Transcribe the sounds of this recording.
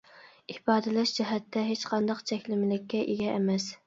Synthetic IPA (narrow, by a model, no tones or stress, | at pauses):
ibɑːd̪ɨlɛʃd͡ʒɪɦɛt̪ʰːɛɦet͡ʃqʰɑnd̪ɑqt͡ʃʰɛkʲlɪmɪlɪkʲʰːɛʔeɡʲɛʔːmɛs